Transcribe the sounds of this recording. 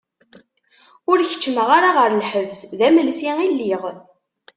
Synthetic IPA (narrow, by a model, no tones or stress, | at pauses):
ʊɾçə̥t͡ʃːəməʁaɾaʁəɾlħəvzðæməlsiilːiʁ